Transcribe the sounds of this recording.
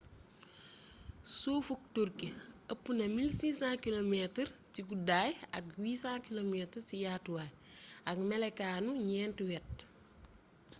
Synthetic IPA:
soːfuk̚toɾkiɐpːunɐmilsiːsãkilomɛtəɾt͡ʃikudaːjɐkwiːsãkilomɛtəɾsijaːtuwa | ʔɐkmɛlɛkaːnuɲɛːntuwɛt̚

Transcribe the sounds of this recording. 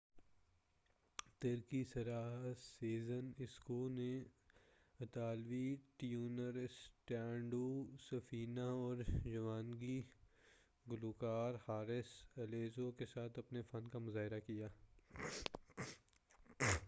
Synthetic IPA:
t̪eɾkisɐɾaːɦseːzənɪskuːlne | ɐt̪aːlʋiʈijuːnəɾsʈɛ̃ːɳɖusɐfiːnaɔːɾd͡ʒɐʋaːnɡi | ɡʊluːkaːɾhaːɾɪsɐleːzokesaːt̪ʰɐpnefɐnkamʊzaːɦɪɾakijaː

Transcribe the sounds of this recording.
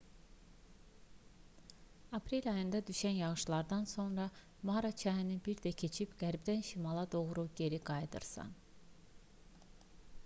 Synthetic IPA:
ɑpʰɾelʲɑjɯnd̪ɑd̪yʃænjɑɣɯʃlˠɑɾd̪ɑnso̞nɾɑ | mɑɾɑt͡ʃʰɑɦinibiɾd̪æcʰe̞t͡ʃʰibɡ̥æɾbd̪ænʃimɑlˠɑd̪o̞ɣɾuɟe̞ɾiɡɑjd̪ɯ̰ɾsɯ̰n

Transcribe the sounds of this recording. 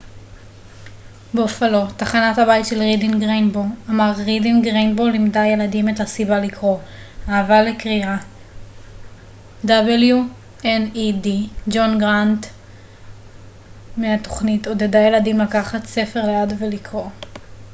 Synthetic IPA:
beofalo̞taχanathabajtʃelʁidinɡʁenboamaʁʁidinɡʁenbolːimdaje̞ladimethasibalikʁo̞ | aːvalekʁia | dabelju | enidid͡ʒo̞nɡʁant | meato̞χnito̞dedaje̞ladimlakaχatse̞fe̞ʁleadvelikʰʁo̞

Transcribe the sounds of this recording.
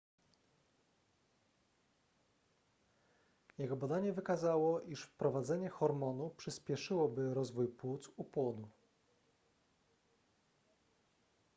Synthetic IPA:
jɛɡɔbad̪aɲɛvɘkazawɔʔiʂfpɾɔvad̪zɛɲɛxɔɾmɔnupʂɘspʲjɛʂɘwɔbɘɾɔzvujpwut̪supwɔd̪u

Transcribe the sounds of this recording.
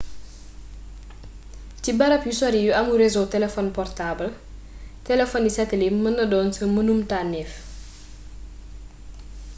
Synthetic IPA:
cibɐɾɐpjusɔɾijuʔɐmuɾezotɛlɛfɔnpɔrtaːbɐl | tɛlɛfɔndisɐtelimɐnːɐdɔːnsəmənumtanːɛf

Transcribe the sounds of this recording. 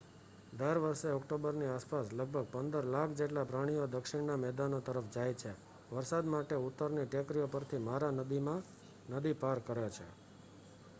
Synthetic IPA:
d̪əɾʋəɾseɔkʈobəɾniaspasləɡ̚bʱəɡ̚pənd̪əɾlakʰd͡ʒeʈlapɾaɽ̃ijod̪əkʃɪɽnamɛd̪anot̪əɾəfd͡ʒajt͡ʃʰe | ʋəɾsad̪maʈeut̪ːəɾniʈjəkɾijopəɾt̪ʰimaɾanəd̪imã | nəd̪ipaɾkəɾjot͡ʃʰḛ

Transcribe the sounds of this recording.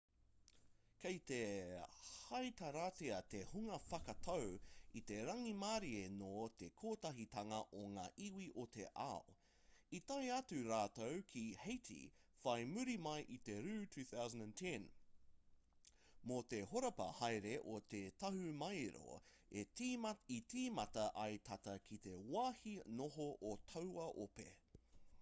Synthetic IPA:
kʰejt̪e | hɐjt̪ɐɾaːteɐt̪ehuŋɐfɐkɐt̪ʰɐwit̪e̞ɾɐŋimaːɾienot̪ekʰoːtɐɦit̪ʰɐŋɐʔoŋa̰ːʔiwiʔot̪ʰeʔa̰o | it̪ɐjɐtʉɾaːt̪owkʰihejt̪ʰḭfɐjmʉɾimɐjʔit̪eɾʉːtʰʉːθawzə̃ndæ̃ntʰɛ̃n | mot̪ehoɾɐpɐ̰hɐjɾeʔot̪etɐɦʉmɐjɾo̰ | e | it̪iːmɐtɐʔɐjt̪ʰɐt̪ɐkʰit̪ewaːhinoɦoʔot̪ʰɐwɐʔopḛ

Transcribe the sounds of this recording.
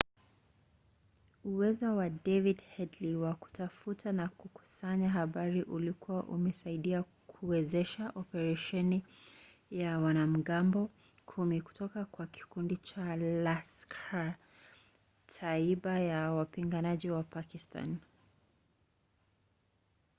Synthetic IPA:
uwɛzɔwadɛvidhɛdliwaku̥tafutanakuku̥saɲaɦaɓaɾiʔulikuwaʔumɛsaiɗia | kʰuwɛzɛʃaʔɔpɛɾaʃɛni | jawanam̩ɡambɔ | kʰumiku̥tɔkakwaki̥kundit͡ʃalaskʰa | tʰaiɓajawapiŋɡanaʄiwapakista̰n

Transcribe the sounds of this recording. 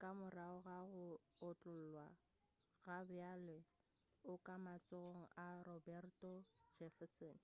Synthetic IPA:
kʼamʊraʊɣaɣʊːt͡ɬʼʊl̩lwa | ɣabʊale | ʊkʼamat͡sʼoɣoŋ̩arɔbɛrtʼɔd͡ʒɛfɛsɔːn

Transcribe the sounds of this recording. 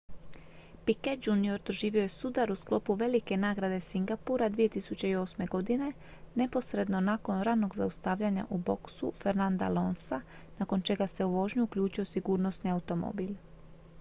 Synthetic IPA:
piket̪d͡ʒunio̞ɾd̪̥oʒiːʋio̞je̞sud̪aɾusklˠo̞puʋe̞like̞naːɡɾad̪e̞siŋɡapuɾad̪ʋije̞t̪isut͡ɕe̞io̞ːsme̞ɡo̞d̪ine̞ | ne̞po̞sɾe̞d̪no̞naːko̞nɾaːno̞ɡza̰ust̪aʋʎaɲa̰ʔubo̞ksṵfe̞ɾnand̪a̰lo̞̰nsa | nako̞nt͡ʃe̞ɡase̞uʋo̞ːʒɲuukʎuːt͡ʃio̞siɡuːɾno̞sniaut̪o̞mo̰bil

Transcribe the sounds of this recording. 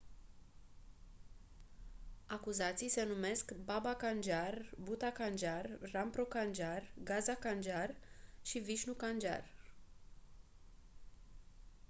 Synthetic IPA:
akuzat̪sijse̞nume̞skbabakand͡ʒarbut̪akand͡ʒarːampɾokand͡ʒarɡazakand͡ʒarʃiviʃnukand͡ʒa̰r

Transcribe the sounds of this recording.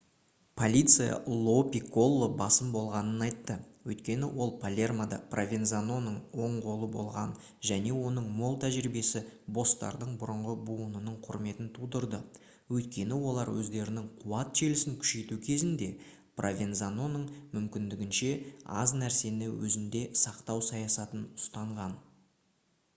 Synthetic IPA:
pʰo̞lʲijt̪sɨja̰lˠo̞pʲiko̞lˠːobɑsəmbo̞lˠʁɑnənɑjt̪ːəwɵjt̪kʲe̞nɪwʔo̞lˠpʰalʲe̞rmad̪ɑ̰pʰrʔovʲenzano̞nəɴwo̞ɴʁo̞lˠəbo̞̰lˠʁɑn | ʒæne̞wo̞nəɴmo̞lˠt̪ʰæʒɪɾibe̞sɪbo̞st̪ɑ̰ɾd̪əɴbʊɾəɴʁəbuənənəɴqʰʊɾme̞t̪ɪnt̪ʰud̪əɾd̪ə | wɵjt̪kʲe̞nɪwo̞lˠɑɾwʔɵ̰zd̪e̞ɾɪnɪŋqʰuwɑt̪ʒ̥e̞lɪsɪŋkʲʰʏ̥ʃe̞jt̪ukʲʰe̞zɪnd̪e̞ | prʔovʲenzano̞nəɴmʏmkʲɪnd̪ɪɡʲɪnʃe̞ɑ̰znæɾse̞nɪwɵ̰zɪnd̪e̞sɑqt̪ɑwsɑjɑsɑt̪ənʊst̪ɑɴʁɑn

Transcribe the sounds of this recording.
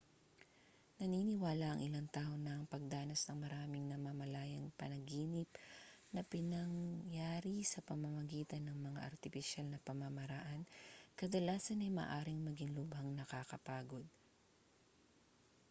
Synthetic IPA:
nɐniːnɪwaːlɐʔɐŋʔɪlaŋt̪aːhonɐːŋpɐɡ̚d̪aːnɐsnɐŋmɐɾaːmɪŋnɐmɐmɐlaːjɐŋpɐnɐɡiːnɪp̚nɐpɪnɐŋjaːɾisɐpɐmɐmɐɡiːt̪ɐnːɐŋmɐŋa̰ʔɐ̰ɾt̪ɪfɪʃalnɐpɐmɐmɐɾaʔankɐd̪ɐlaːsɐnɐjmɐ̰ʔaːɾɪŋmɐɡɪŋlʊbhɐŋnɐkakɐpaːɡo̞d̪̚

